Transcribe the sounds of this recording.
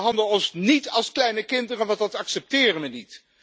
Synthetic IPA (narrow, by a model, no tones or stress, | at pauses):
ɦɑndəɔsnitɑlˠsklɛjnəkɪndərəʋɑntdɑtɑksɛp̚tɪːrənʋənit